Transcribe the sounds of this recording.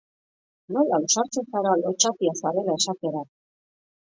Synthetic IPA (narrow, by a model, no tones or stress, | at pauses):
no̞lausaɾt͡se̞saɾalo̞t͡ʃat̪iasaɾe̞lae̞ʃat̪e̞ɾa